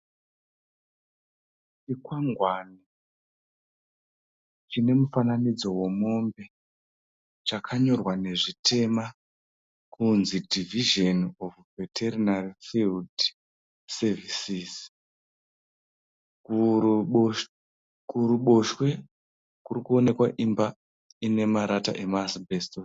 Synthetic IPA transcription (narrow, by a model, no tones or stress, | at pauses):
t͡ʃikwaŋɡwaːni | t͡ʃine̞mufananid͡zo̞wo̞mo̞mbe̞ | t͡ʃakʰaɲo̞rwane̞ʐitʰe̞ma | kunzidʱiviʒenofvetʰerinarifild | sevʱisis | kuɾuɓo̞ʃwe̞ | kurikuo̞ne̞kwaʔimba | ine̞maɾata̰ʔe̞masbʱestos